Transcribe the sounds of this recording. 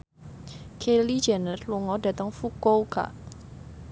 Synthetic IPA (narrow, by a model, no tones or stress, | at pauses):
kʰeli̥d͡ʒanərluŋɔdä̤t̪əŋfukowka̰ʔ